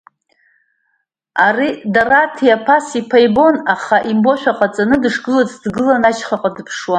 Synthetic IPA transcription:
aridaratʰijapʰasipʰajbo̞naχaʔimbo̞ʃʷᶣaqʼat͡sʼanɨdɨʂɡɨlat͡sʰʼdɡɨlanat͡ʃʰχaqʼadɨpʰʂwa

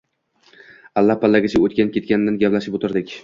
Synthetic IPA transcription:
alˠːahpalːaɡʲɪt͡ʃʰaot̪̚kʲankʰʲe̞t̪̚kʲanɪd̪anɡʲaplaʃɪpot̪ʰɪɾd̪ɪkʲ

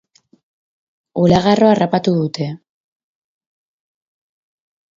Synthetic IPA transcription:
ulaɣaro̞arapat̪uðut̪e̞

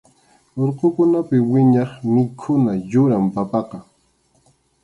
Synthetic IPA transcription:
oɾqokʊnapɪwɪɲɑχmɪkʰʊnajʊɾampapɑqɑ

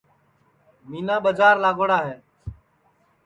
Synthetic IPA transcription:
miːnaːɓəd͡ʒaːɾlaːɡoːɽaːɦɛː

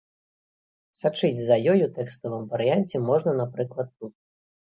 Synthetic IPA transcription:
sat͡ʂɨd͡zʲzɐjɔjut̪ɛkst̪ɐvɨmvɐɾɨjanʲt͡sʲɛmɔʐnɐnapɾɨklˠɐt̪ːut̪̚

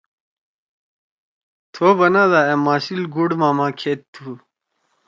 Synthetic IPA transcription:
t̪ʰoːbɐnad̪aːemaːsilɡuɽmaːmãːkʰeːt̪ʰːuː

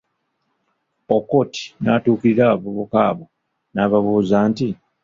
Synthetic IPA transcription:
okoti̥naːtuːkiɾiɾaβuβukaːβo | naːβaβuːzaːnti

